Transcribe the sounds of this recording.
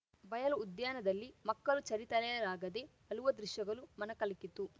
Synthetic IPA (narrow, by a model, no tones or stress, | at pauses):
bɐjɐlɐud̪jaːnɐd̪ɐlːimɐkːɐlut͡ʃɐɾit̪ɐlɛjɐɾaːɡɐd̪eː | ɐluʋɐd̪ɾiʃjɐɡɐlumɐnɐkɐlikit̪u